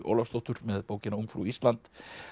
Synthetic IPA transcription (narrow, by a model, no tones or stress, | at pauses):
o̰wlafst̪owht̪ʏɾ̥mɛðpoːwcɪnaumfɾṵist̪lant̪